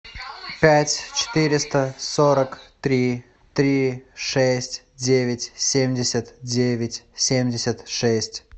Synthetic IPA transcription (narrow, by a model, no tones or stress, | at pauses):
pʲætʲt͡ɕɪ̥t̪ɨɾʲɪst̪əsoɾəkt̪ɾʲi | t̪ɾʲiʂɛsʲtʲ | dʲevʲɪtʲsʲemʲdʲɪsʲət̪dʲevʲɪtʲsʲemʲdʲɪsʲət̪ʂɛsʲtʲ